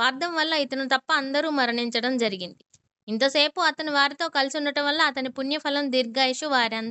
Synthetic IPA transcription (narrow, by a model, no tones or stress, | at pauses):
ʋaːɾd̪ɐmʋɐlːɐit̪ɐnut̪ɐpːɐːnd̪ɐɾuːmɐɾɐɳiɲt͡ʃɐɽɐmd͡ʒɐɾiɡind̪i | int̪ɐse̞ːpuɐt̪ɐniʋaːɾit̪o̞ːkɐlisunːɐʈɐmʋɐlːɐːt̪ɐnipunjɐpʰɐlɐmd̪iɾɡaːjiʂuʋaːɾiɐnd̪